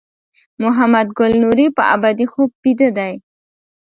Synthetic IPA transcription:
mʊɦamad̪ɡʊlnuɾipəʔa̰bad̪ixob̚pid̪əd̪aj

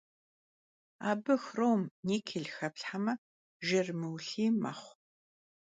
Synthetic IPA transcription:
aːbɨxrowmniːkʰɪɮxɐpɬħamɐ | ʒɪrmɨwɬiːma̰χʷ

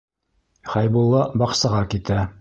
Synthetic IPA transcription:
χɑjbulˠːɑbɑqsɑʁɑkit̪æ

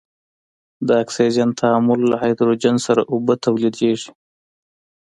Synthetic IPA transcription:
d̪əakseɾijant̪ʰaamʊlːahajd̪ɾod͡ʒansaɾaʔubat̪ʰawlid̪eʐi

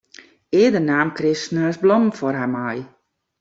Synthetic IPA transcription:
ɪːədənaːmkrɪsnəsblɔmfɔrɦamaj

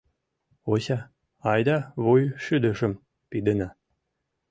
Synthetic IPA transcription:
oɕɑ | ɑjd̪ɑβojʃyd̪ə̆ʃə̆m | pid̪ə̆nɑ

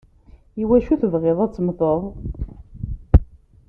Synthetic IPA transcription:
iwæʃuθəvʁɪðˤæt͡sːmθəðˤ

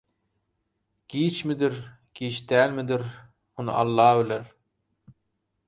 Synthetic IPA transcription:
ɡ̥iːt͡ʃmɪd̪ɪɾ | ɡ̥ʲiːt͡ʃd̪æːlmɪd̪ɪɾ | mʊnɨ̰ʔɑlˠːɑːbɪlɪɾ

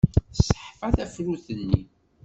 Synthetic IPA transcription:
θsə̥ħfæθæfɾuθənːi

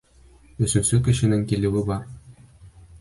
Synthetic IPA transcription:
ɵ̆sɵ̆nsɘkɘ̆ɕɘ̆nɘŋkilɘ̆wɘbɒɾ

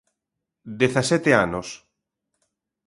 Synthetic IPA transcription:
d̪eθasɛt̪eanos

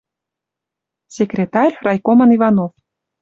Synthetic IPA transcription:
sʲekrʲet̪ɑrʲrɑjkomɑnivɑnof

